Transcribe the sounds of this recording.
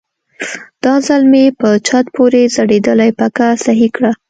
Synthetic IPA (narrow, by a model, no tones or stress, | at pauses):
d̪̥ɑzalmepət͡ʃɑt̪̚poɾezaɽed̪əlajpakasaɦikɽa